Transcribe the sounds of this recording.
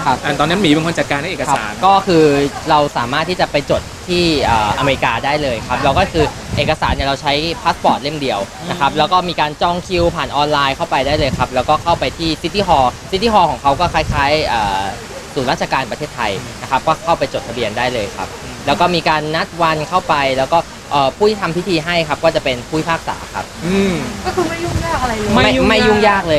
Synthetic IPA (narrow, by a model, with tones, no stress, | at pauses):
a˦˥ʔa˨˩t̪ɔː˧ni˦˥nmiː˨˦pe˧nʰkʰnt͡ɕa˨˩t̪̚kaː˧nʰa˥˩˨e˨˩kʰsaː˩˦nkɔː˥˩kʰɯː˧ɾa˧wsaː˩˦maː˥˩t̪ʰːi˥˩t͡ɕa˨˩pa˧jt͡ɕo˨˩t̪ʰːiː˥˩ʔɤː˨˩ʔa̰˧meː˧ɾi˧kaː˧daː˥˩jlɤː˧jkʰa˦˥p̚lɛ˧˦˥wkɔː˥˩kʰɯː˧ | ʔeː˨˩kːa˧saː˩˦nːi˨˩ɾa˧wt͡ɕʰa˦˥jpʰaː˦˥t̪̚pɔː˨˩t̪̚le˥˩mdi˧əw | na˦˥kʰa˦˥p̚lɛː˦˥wkɔː˥˩miː˧kaː˧nt͡ɕɔ˥˩ŋkʰi˦˥wpʰaː˨˩nʔɔː˧nlaː˧jkʰa˥˩wpa˧jdaː˥˩jlɤː˧jkʰa˦˥p̚lɛː˦˥wkɔː˥˩kʰa˥˩wpa˧jt̪ʰiː˥˩si˦˥t̪ːiː˥˩ɦɔː˧si˦˥t̪ʰːi˥˩hɔː˧kʰɔː˩˦kʰa˦˥wkɔː˥˩kʰaː˦˥jkʰaː˦˥jʔɤː˨˩ | suː˩˦nɾaː˥˩t̪̚t͡ɕʰa˧kaː˧npɾt̪ʰeː˥˩t̪ʰːa˧jna˦˥kʰa˦˥p̚kɔː˥˩kʰa˥˩wpa˧jt͡ɕo˨˩t̪ʰa˧bi˧əndaː˥˩jlɤː˧jkʰa̰˦˥p̚ | lɛː˦˥wkɔː˥˩miː˧kaː˧nːa˦˥t̪̚wa˧nkʰa˥˩wpa˧jlɛː˦˥wkɔː˥˩ | ʔɤː˨˩pʰuː˥˩t̪ʰiː˥t̪ʰa˧mpʰi˦˥t̪ʰiː˧ɦa˥˩jkʰa˦˥p̚kɔː˥˩t͡ɕa˨˩pe˧npʰuː˥˩i˥pʰaː˥˩k̚sa̰ː˩˦kʰa˦˥p̚ʔɯː˧mkɔ˥˩kʰɯː˧ma˥˩juː˥˩ŋjaː˥˩k̚a˧ɾa˧jma˧˥˩jma˥˩jːuː˥˩ŋjaː˥˩k̚lɤː˧